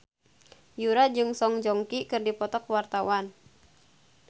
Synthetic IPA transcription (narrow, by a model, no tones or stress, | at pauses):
juɾad͡ʒɨŋsɔŋd͡ʒɔŋkikɨrdipɔt̪ɔkwart̪awan